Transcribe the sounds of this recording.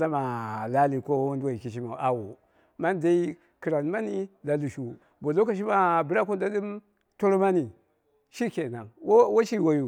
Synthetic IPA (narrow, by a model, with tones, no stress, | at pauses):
la˦ma˨la˦li˨ko˦wu˦nda˨i˨ki˨ʃ̬i˦ma˨ʔa˨wo˨ | ma˦n˦da˦i˦ | ki˨ɾa˨n˦ma˦ni˦la˨lu˨ʃu˨ | bo˨lo˦ka˨ʃ̬i˦ma˨bi˨ɾa˦ko˦nda˦ɗi˦m | to˦ɾma˦ni˨ | ʃi˦ke˨na˨wwo˦ʃi˦˨wa˦ju˨